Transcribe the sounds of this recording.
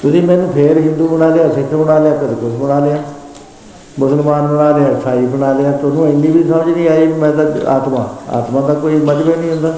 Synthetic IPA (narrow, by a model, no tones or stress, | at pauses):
t̪ʊsĩːmɛːnũːpʰeɾɦɪ̃nd̪uːbəɽ̃aːleːaːsɪkʰːbəɽaːleaːkəd̪eːkʊsbəɽaːleːaː | mʊsəlmaːnbəɽaːleːaːsʰaːiːbəɳaːleːaːt̪ʊnũːɪnːĩːbiːsəməd͡ʒnĩːaːiːmɛ̃ːd̪aa̰ːt̪mã̰ːa̰ːt̪mãːd̪aːkoːiːməd͡ʒbeːnĩːɦʊ̃nd̪aː